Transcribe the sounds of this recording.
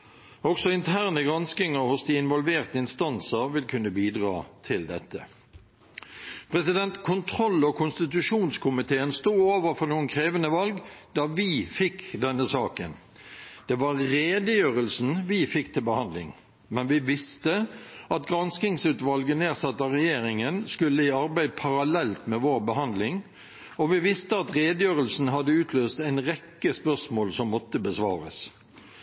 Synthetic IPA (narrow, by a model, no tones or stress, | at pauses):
ɔksɔɪnt̪ʰæːʁnəɡʁɑnskɪŋəʁhʊsd̪iːɪnʋɔlʋeːʁt̪əɪnst̪ɑnsəʁʋɪlkʰʉnːəbiːd̪ʁɑ̰ːt̪ʰɪld̪ɛt̪ʰːə̰ | pʰʁɛsɪd̪ɛnt̪kʰʊnt̪ʰɾɔlːokʰʊnst̪ɪt̪̬ʉʂuːnskʰʊmɪt̪ʰeːənst̪uːoːʋəʁfɔʁnuːənkʰʁeːʋənəʋɑlɡd̪̥ɑːʋɪfɪkd̪ɛnːəsɑːkə̰n | d̪̥ɛʋɑʁɾeːd̪əjøːʁəlsn̩ʋɪfɪkːt̪ʰɪlbəhɑnd̪lɪ̰ŋ | mɛnʋɪʋɪst̪əɑt̪ɡɾɑnskɪŋsʉːt̪ʋɑlɡəneːʁsɑt̪ːɑʁɛjeːɾɪŋənskʉlːəɪɑɾbæɪd̪̚pʰɑɾɑlɛlt̪mɛʋoːɾbəɦɑnd̪lɪŋ | ɔʋɪʋɪst̪əɑt̪ʁeːd̪əjøːʁəlsn̩ɦɑd̪əʉːt̪ʰløːst̪æɪnʁɛkːəspœʁsmoːlsɔmːɔt̪ːəbəsʋɑːɾə̰s